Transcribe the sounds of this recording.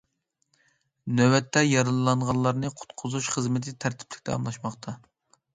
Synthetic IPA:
nɛwɛt̪ʰːɛjɑɾɨlɨlˠɑɴʁɑlˠːɑɾnɨqʰʊ̥t̪qʰʊzuʃχəzmɪt̪ʰɪt̪ʰæɾt̪ʰɪ̥plʲɪ̥kʲt̪ʰɛ̰ɑ̰mlˠɑʃmɑχqt̪ʰɑ

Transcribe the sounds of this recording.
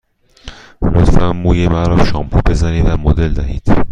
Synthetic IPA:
ɾot̪fæmːuːjemæɾɒːmʃɒːmpʰube̞zæniːd̪væmod̪eld̪æɦiːd̪̥

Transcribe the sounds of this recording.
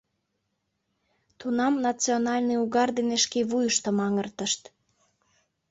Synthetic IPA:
t̪unɑmnɑt͡sionɑlʲniuɣɑrd̪eneʃkeβujəʃt̪ə̆mɑŋərt̪ə̆ʃt̪

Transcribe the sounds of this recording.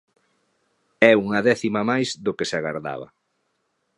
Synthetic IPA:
ɛuŋɐðɛθimamajzðʊkeseaɣa̰ɾða̰βɐ̰

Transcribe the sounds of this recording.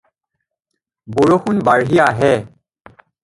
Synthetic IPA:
boɹoxʰunbaɹɦijaɦɛ

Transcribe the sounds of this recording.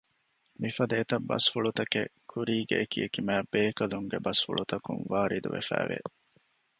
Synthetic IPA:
mifɐd̪eːt̪ɐbːɐ̰sfuɭut̪ɐkekʰuɾiːɡḛʔːkiekimæːbeːkɐluŋɡebɐsfṵɭut̪ɐkṵŋʋaːɾid̪ṵʋḛfæ̰ːʋḛ

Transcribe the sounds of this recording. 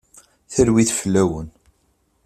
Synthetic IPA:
θəlwiθflːæwən

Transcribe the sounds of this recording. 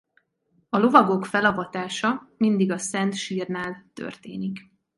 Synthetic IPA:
ɒlo̞vɒɡokfɛlɒvɒt̪aːʃɒmind̪iɡɒsɛnt̪ʃiːrnaːlt̪ø̰rt̪ḛːnik

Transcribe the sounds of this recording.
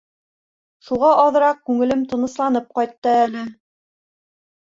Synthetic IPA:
ʃuʁɑʔɑðɤ̆ɾɑq̚kʉŋɘ̆lɘmt̪ɤ̆nɤ̆slˠɑnɤp̚qɑjt̪ːɤælɘ

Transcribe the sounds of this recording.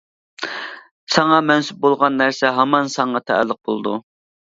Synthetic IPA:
sɑŋɑmɛnsɪp̚bolˠʁɑnːæɾsɛɦɑmɑnsɑɴɑt̪ʰæ̰æ̰lːəq̚bolˠd̪u

